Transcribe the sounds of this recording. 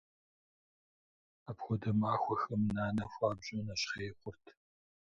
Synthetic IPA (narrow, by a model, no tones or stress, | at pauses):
aːpxʷɔdɐmaːxʷɔxɐmnaːnɐxʷaːbʑʼɐnɐɕχeːχʷʊrtʰ